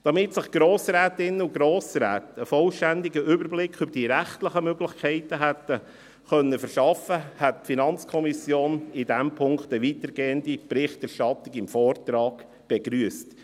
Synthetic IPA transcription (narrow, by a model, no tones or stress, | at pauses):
d̥ɑmɪtsɪχɡ̥ɾoːsɾɛːt̪ɪnːəʊɡɾoːsɾæ̰ːt̪əfɔlʃtændɪɡəʔʏbəɾblɪkʰʏbəɾd̥iəɾæχtləχəmøɡlɪχkʰɛɪtəɦæt̪ə | χœnːəfəɾʃɑfəhɛtfinɑnt͡skʰɔmisjoːnɪdɛmpʰʊŋktəʋit̪əɾɡeːəndipɾɪχtɛɾʃtɑt̪lɪɡɪmfɔːrtɾɑːɡ̥ | b̥ɛɡ̥ɾyəst